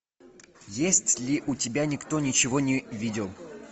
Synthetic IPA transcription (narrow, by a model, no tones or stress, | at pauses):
jesʲtʲlʲɪʔʊtʲɪbʲanʲɪkt̪o̞nʲɪt͡ɕɪvo̞nʲɪvʲidʲɪlˠ